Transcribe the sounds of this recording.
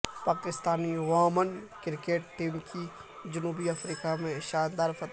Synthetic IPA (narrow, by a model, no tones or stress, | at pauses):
paːkɪst̪aːniʋaːmənkɪɾkeːʈʈːiːmkid͡ʒʊnuːbiɐfɾiːkamẽʃaːnd̪aːɾfɐt̪